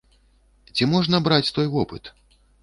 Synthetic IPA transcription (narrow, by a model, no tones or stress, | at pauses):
t͡sʲimɔʐnɐbɾat͡sʲt̪ɔjvɔpɨ̰t̪